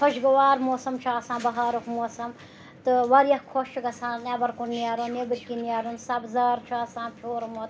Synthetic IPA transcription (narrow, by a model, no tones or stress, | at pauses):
kʰoʃɡɐʋaːɾmoːsɐmt͡ʃʰaːsãːbɐɦaːɾukmoːsɐm | t̪ɨʋɐɾjɐhkʰoʃuɡɐsãːnebɐɾkunniaːɾunnebɨɾkiniaːɾunsɐbzaːɾt͡ʃʰaːsãːpʰjoːɾmot̪